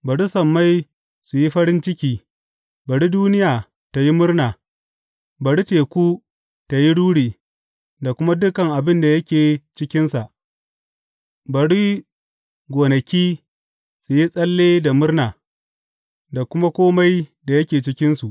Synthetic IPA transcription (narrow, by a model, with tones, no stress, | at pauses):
bɐ˨ɽi˦sɐ˨mːa˦j | su˨ji˦ɸɐ˦ɽɪ˦nt͡ʃɪ˦kʲiː˦ | bɐ˨ɽi˦duː˦nɪ˦jaː˨ | ta˨ji˦mʊ˦rnaː˨ | bɐ˨ɽi˦t͡ʃeː˨kʷuː˦ | ta˨ji˦ɽuː˦ɽiː˨ | da˨kʷʊ˦ma˦dʊ˦kɐ˨ŋʔa˨bɪ˦nda˨jɐ˦kʲeː˨t͡ʃɪ˦kʲɪ˦nsa˨ʔ | bɐ˨ɽi˦ | ɡʷoː˨nɐ˨kʲiː˦ | su˨ji˦sʼɐ˦lːeː˦da˨mʊ˦rnaː˨ | da˨kʷʊ˦ma˦kʷoː˦ma˦jda˨jɐ˦kʲeː˨t͡ʃɪ˦kʲɪ˦nsu˨ʔ